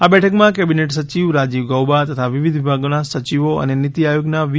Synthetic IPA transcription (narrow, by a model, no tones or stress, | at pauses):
abɛʈʰəkmãkɛbineʈsət͡ʃiʋɾad͡ʒiʋɡəwbat̪ət̪ʰaʋiʋid̪ʱʋibʱaɡonasət͡ʃiʋoə̰nenit̪iajoɡnaʋ